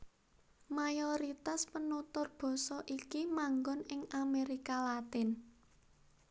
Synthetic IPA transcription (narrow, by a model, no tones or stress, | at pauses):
majoɾit̪aspənut̪ʊrb̥ɔ̤sɔʔikimaŋɡɔnɪŋameɾikalat̪ɪn